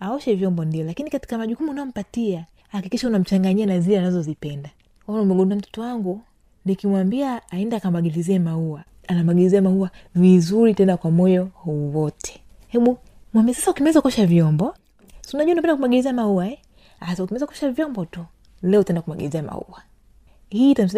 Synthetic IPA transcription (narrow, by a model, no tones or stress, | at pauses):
aɔʃɛvjɔmbɔndiɔlakinikati̥kamaʄukumunaɔm̩patia | hakikiʃaunam̩t͡ʃaŋɡaɲianazilanazɔzipɛnda | wanaumɛɡɔnduam̩tɔ̥tɔwaŋɡu | nikimwambiaːɛndakamaɡiliziɛmauwa | anamaɡiliziamauwavizuɾitɛnakwamɔjɔhuwɔtʰɛ̥ | hɛɓu | mwambiasḁsaukimɛɛzakɔʃavjɔmbɔ | sunaʄuaunapɛndakumaɡiliziamauwaɛ | asaukimɛizakɔʃavjɔmbɔtu | lɛɔtaɛndakumaɡiliziama̰ṵa | hiːtam̩s̬i